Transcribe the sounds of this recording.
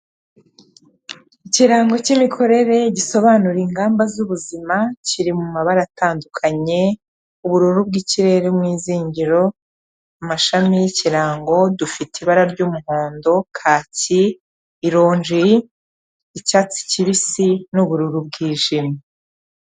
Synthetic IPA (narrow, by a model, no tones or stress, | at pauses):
iciɾaːŋɡo̞cimikʰo̞ɾe̞ɾe̞ɟiso̞βanuɾiŋɡaːmbazuβuzimaciɾimumaβaɾatʰaːndukʰaɲe̞ | uβuɾuɾubɡiciɾe̞ɾemŋiːziːɲɟiɾo̞ | amaʃamijiciɾaːŋɡo̞dufitiβaɾaɾɟuːmuho̞ːndo̞kʰaːciː | ɾo̞ːɲʒiː | caːt͡si̥ciβisinuβuɾuɾub̚ɡiːʒimi